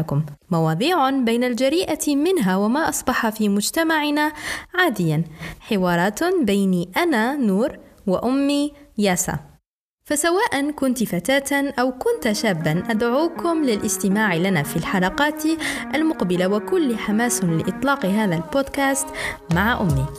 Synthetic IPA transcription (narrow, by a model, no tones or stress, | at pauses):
kʊmːɑwɑːðˤiːʕʊnbajnald͡ʒaɾiːʔamɪnɦawamaʔɑsˤbɑħafiːmʊd͡ʒt̪amaʕɪnaʕaːd̪ɪjːanħɪwɑːɾˤɑːt̪bajniʔanaːnuːɾwaʔʊmːijaːsa̰ | fasawaːʔankʊnt̪fat̪aːt̪anʔawkʊnt̪ʃaːbːanʔad̪ʕuːkʊmlɪlʔɪst̪ɪmaːʕɪlanaːfilħalɑqɑːt̪ʔalmʊqbɪlawakʊlːħamaːslɪ̰ʔɪt̪ˤlɑːqɦaːðalboːd̪kaːst̪maʕaʔʊmːi